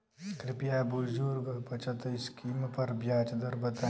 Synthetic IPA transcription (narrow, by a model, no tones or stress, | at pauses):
kɾɪpijaːbuld͡ʒuːɾɡɐpɐt͡ʃɐt̪ɐɪskiːmpɐɾbjaːt͡ʃd̪ɐɾbɐt̪a